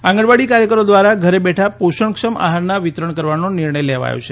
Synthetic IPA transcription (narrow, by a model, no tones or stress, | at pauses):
ãŋɡəɽʋaɽikaɾjəkəɾod̪ʋaɾaɡʱəɾebɛʈʰapoʃəɳkʃəmʔa̰ɦaɾnaʋit̪ɾəɳkəɾʋanoniɾɳəjleʋa̰jo̰t͡ʃʰe